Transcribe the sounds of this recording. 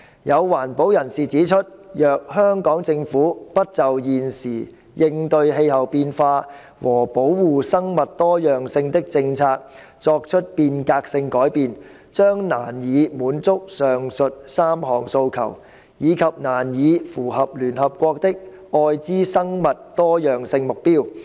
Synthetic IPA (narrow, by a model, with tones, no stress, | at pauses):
jɐ˨˧wwaː˨˩npo˨˥wjɐ˨˩nsiː˨˩t͡siː˨˥t͡ʃʰɵ˥t̚jœː˨k̚hœː˥ŋkɔː˨˥ŋt͡sɪ˧ŋfuː˨˥pɐ˥t̚t͡sɐ˨wjiː˨nsiː˨˩ | jɪ˧ŋt̪ɵ˧ɥɦe˧jɦɐ˨wpiː˧nfaː˧ | wɔː˨˩po˨˥wwuː˨sɐ˥ŋmɐ˨t̚t̪ɔː˥jœː˨ŋsɪ˧ŋt̪ɪ˥k̚t͡sɪ˧ŋt͡sʰaː˧k̚ | t͡sɔː˧k̚t͡ʃʰɵ˥t̚piː˧nkaː˧k̚sɪ˧ŋkɔː˨˥jpiː˨n | t͡ʃœː˥ŋna̰ː˨˩njiː˨˧muː˨˧˥nt͡sʊ˥k̚sœː˨ŋsɵ˨t̚saː˥mɦɔː˨˩ŋso˧wkʰɐ̰˨˩w | jiː˨˧kʰɐ˨p̚naː˨˩njiː˨˧fuː˨˩ɦɐ˨p̚lyː˨˩nɦɐ˨p̚kʷɔː˧k̚t̪ɪ˥k̚ | ɔː˧jt͡siː˥sɐ˥ŋmɐ˨tt̪ɔː˥jœː˨ŋsɪ˧ŋmʊ˨k̚piː˥w